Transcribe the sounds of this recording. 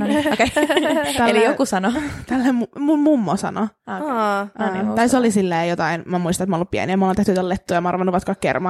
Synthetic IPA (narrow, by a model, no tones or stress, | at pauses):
oke | elijokusɑnot̪ælːemumummumːosɑ̰no | t̪ɑisolisilːeːjot̪ɑinmæmuist̪ɑnet̪mɑnlːuppiæ̰niæmɑolent̪eht̪yt̪ːælet̪ːujɑmɑɑrʋɑnːuʋɑt̪kɑkːḛrmɑ